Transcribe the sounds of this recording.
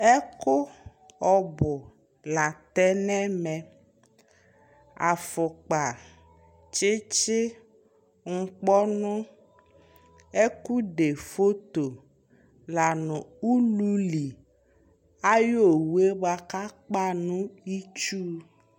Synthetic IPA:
e˦kʊ˦ɔ˨bʊ˨ | la˨t̪ɛ˦nɛ̃˦mɛ̃˨ | a˨fʊ˨k͡pa˨ | t͡ʃɪ˦t͡ʃɪ˦ | ŋ̩˦˨k͡pɔ˦nʊ̃˦ | e˦ku˦ɖe˨fo˦t̪o˨ | la˨nʊ̃˨u˦lu˦li˨ | a˦jo˦wu˦e˦ba˨ka˦k͡pa˦nũ˦i˦t͡ʃu˦

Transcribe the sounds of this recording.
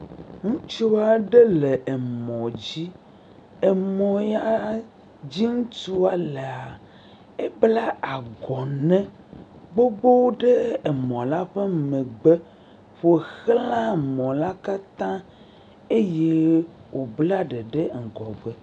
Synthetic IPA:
ŋũ˦t͡ʃo˦wa˨ɖe˦le˨e˨mɔ̃˨d͡ʑi˦ | e˨mɔ̃˨ja˦ | d͡ʑi˦ŋũ˦tu˦a˨le˨a˨ | e˦bla˦a˨ɡɔ˨nɛ̃˦ | ɡ͡bo˦bo˦wo˦ɖe˦e˨mɔ̃˨la˦ɸe˦mẽ˨ɡ͡be˦ | ɸo˦˨xlã˦˨mɔ̃˨la˦ka˦t̪ã˦ | e˦je˦wo˨bla˦ɖe˨ɖe˦ŋ̩˨ɡɔ˨ɡ͡be˦

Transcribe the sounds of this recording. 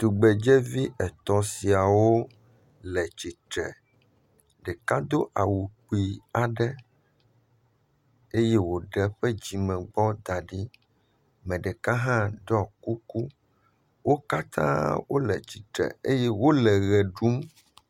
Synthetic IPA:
t̪u˨ɡ͡bɛ˨d͡ʒɛ˦vi˦ʔɛ˨t̪ɔ˨si˨a˨wo˦ | lɛ˨t͡ɕi˨t̪ɾɛ̰˨ | ɖɛ˨ka˦d̪o˦ʔa˨wu˨k͡pi˨a˨ɖɛ˦ | e˦jɛ˦wo˨ɖɛ˦ɸɛ˦d͡ʑi˨mɛ̃˨ɡ͡bɔ˦d̪a˨ɖi˦ | mɛ̃˨ɖɛ˨ka˦ɦã˦ɖɔ˨ku˦ku˦ | wo˦ka˦t̪ʰã̰˦wo˦lɛ̰˨t͡ɕi˨t̪ɾɛ̰˨ḛ˦jɛ˦wo˦lɛ˨ɣɛ˨ɖu˦m

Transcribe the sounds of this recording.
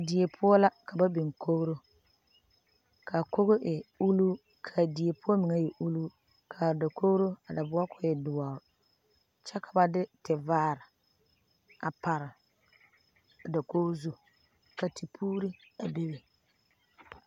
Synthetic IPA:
a˨di˨e˨pʰʊ˦ɔ˦la˦ka˨ba˦bɪ˨ŋko˦ɣɾo˦ | ka˨ko˦ɣo˦ʔɛ˨u˦luː˦ | kʰa˨di˨e˨pʊ˦ɔ˦mɪ˨ŋɛ˦jɛ˨ʔu˦luː˦ | kʰa˨da˨kʰo˦ɣɾo˦a˨da˨bʊ˦a˦kʰʊ˨jɛ˨dʊ˨waː˨ʊ˨ | t͡ʃɛ˦kʰa˨ba˦dɪ˦tɪ˨vaː˦ɾɪ˨ | a˨pa˨ɾɪ˨ | da˨ko˦zu˦ | ka˨ti˨pʰuː˦ɾi˦a˨be˦be˨

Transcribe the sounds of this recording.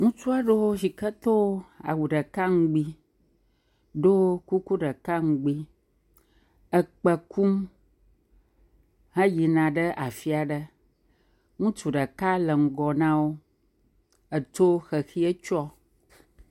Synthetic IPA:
ŋũ˦t͡ʃu˦a˦ɖə˦wo˦ʃi˨kə˦t̪o˦a̰˨wu˨ɖə˨ka˦ŋ̩˦ɡ͡bi˦ | ɖo˦ku˦ku˦ɖə˨ka˦ŋ̩˨˦ɡ͡bi˦ | ə˨k͡pə˨ku˦m | hə̃˦ji˨nã˨ɖə˦ʔa˨fi˦a˨ɖə˦ | ŋũ˦t͡ʃu˨ɖə˨ka˦lə˨ŋ̩˨ɡɔ˨nã˦wo˦ | ə˨t̪o˦xə˨xi˦ə˦t͡ʃɔ˦

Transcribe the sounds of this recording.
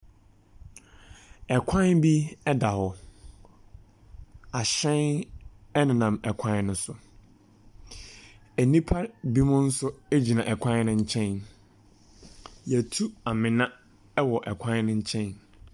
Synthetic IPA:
ɛ˨kʰã˦nbi˦ɛ˦da˨hɔ˨ | a˨ɕɛ̃˦n | ɛ˦nɪ̃˨nã˨mɛ˨kʷʰã˦nʊ̃˦sʊ˨ | æ˨nĩ˦pʰa˦bi˦mʊ̃˦n̩˦sʊ˦e˦d͡ʑi˨nã˨ʔɛ˨kʷʰã˦n˦nʊ̃˦ɲ̩˦t͡ɕʰɛ̃˦n | jɛ˨tʰu˦a˨mɪ̃˨nã˦ | ɛ˦wɔ˨ʔɛ˨kʷʰã˦n˦nʊ̃˦ɲ̩˦t͡ɕʰɛ̃˦n

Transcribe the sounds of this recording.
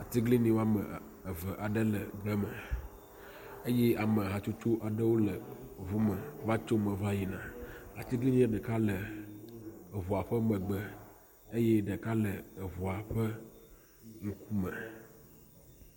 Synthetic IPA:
a˨t̪i˦ɡli˦nĩ˦wo˦a˦mə̰̃˨ | ə˨və˨ʔa˨ɖə˦lə˨ɡ͡bɛ˦mə˨ | e˦jɛ˦a˨mə̃˨ɦa˨t͡ʃu˦t͡ʃu˦ʔa˨ɖə˦wo˦lə˨vu˦mə̃˨va˦t͡ʃo˦mə̃˨va˦ji˨nã˨a˨t̪i˦ɡli˦nĩ˦a˦ɖə˨ka˦lə˨ | vu˨a˨ɸə˦mə̃˨ɡ͡bɛ˦ | e˦jɛ˦ɖə˨ka˦ləː˨vu˨a˨ɸə˦ | ŋ̩˦ku˦mə̰̃˨

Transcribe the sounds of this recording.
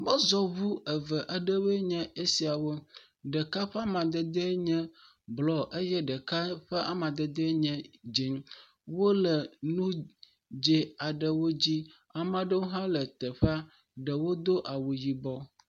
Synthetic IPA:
mə˦zɔ˦βu˦ɛ˨və˨ʔa˨ɖə˦we˦ɲɛ̃˦e˦si˨a˨wo˦ | ɖɛ˨ka˦ɸɛ˦a˦mã˨d̪ɛ˦d̪ɛ˦ɲɛ̃˦ | blɔ˨ʔe˦jɛ˦ɖɛ˨ka˦ɸɛ˦ʔa˨mã˨d̪ɛ˨d̪ə˦ɲɛ̃˦d͡ʑi˨ŋ | wo˦lɛ˨nũ˦ | d͡ʒe˦a˨ɖə˨wo˦d͡ʑi˦ | a˨mã˦ɖə˦wo˦ɦã˦lɛ˨t̪ɛ˨ɸa˦ | ɖə˨wo˦d̪o˦ʔa˨wu˨ji˨bɔ˦

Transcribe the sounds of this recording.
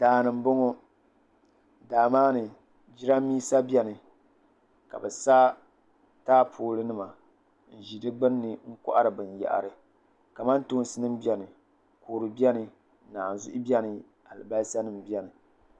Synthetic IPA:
daː˨nɨ˨m̩˨bʊ˦ŋo˦ | daː˨maː˦nɨ˨ | d͡ʒi˦ɾa˦miː˦sa˦bi˦ɛ˦nɨ˨ | ka̰˨bɛ˨sa˦ | taː˦pʰoː˦lɨ˦nɨ˦ma˨ | n̩˨ʒi˨dɨ˦ɡ͡bɨ˦nː˦ɨ˨ŋ̩˦kʊ̰˦ʔa̰˦ɾɨ˨bɨ˨n˨jɛ̰˨ʔa̰˨ɾɨ˨ | ka˨ma˦nto˦n˦sɨ˦nɨ˦m˦bi˦ɛ˨nɨ˨ | koː˨ɾɨ˨bi˦ɛ˦nɨ˨˦ | naː˨n˨zʊ̰˦ʔʊ˦bɛ˦nɨ˨ | a˨lɨ̰˨ba˦sa˦nɨ˨m˨bi˦ɛ˦nɨ˨

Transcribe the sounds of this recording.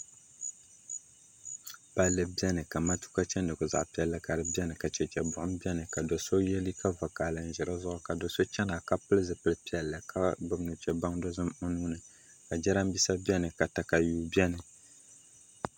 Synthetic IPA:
pa˨lːɨ˨bi˦ɛ˦nɨ˨ka˨ma˦tu̥˦ka˦t͡ʃɛ˦ndɨ˨kʊ˨za̰˨ʔpi˦ɛ˦lːɨ˦ka˨ɾɨ˦bi˦ɛ˦nɨ˨ka˨t͡ʃɛ˨t͡ʃɛ˨bʊ˨ʔʊ˦mbi˦ɛ˦nɨ˨ka˨dɔ˨so˦jɛ˦li˦ka˦va˨kaː˨lɨ˨n˨ʒɛ˨ɾa˦zʊ˦ʔʊ˦ka˨dɔ˨so˦t͡ʃɛ˦na˨ka˦pɨ˦lɨ˦zɨ˨pɨ˦lɨ˦pi˦ɛ˨lːɨ˨kʰa˦bɨ˨bnu˨t͡ʃɛ˨ba˦ŋdɔ˦zɨ˦mʊ˦nuː˦nɨ˨ | ka˨d͡ʒɛ˦ɾa˦mbi˦sa˦bi˦ɛ˦nɨ˨ka˨ta˨ka˨juː˦bi˦ɛ˦nɨ˨

